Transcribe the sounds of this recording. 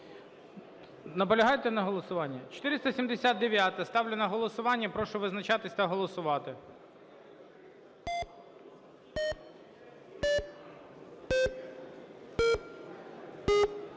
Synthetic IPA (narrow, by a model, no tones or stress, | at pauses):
nɐpɔlʲɐɦɑjt̪ɛnɐɦɔlˠɔsʊʋɑnʲːɐt͡ʃɔ̥t̪ɪɾɪst̪ɐsʲimd̪esʲat̪̚d̪eʋʲjat̪ɐst̪ɑwlʲenɐɦɔlˠɔsʊʋɑnʲːɐpɾɔʃʊʋɪznɐt͡ʃɑt̪ɪsʲt̪ɐɦɔlˠɔsʊʋɑt̪ɪ